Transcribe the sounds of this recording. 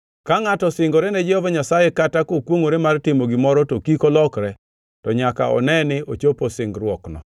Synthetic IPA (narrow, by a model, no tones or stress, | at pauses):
kaŋatɔsɪŋɡoɾɛnɛd͡ʒɛhɔvaɲasajɛkatakokwoŋoɾɛmartɪmoɡɪmɔɾɔtokikolɔkɾɛ | tɔɲaka̰ɔ̰nɛnɪʔot͡ʃoposɪŋɡɾwɔknɔ̰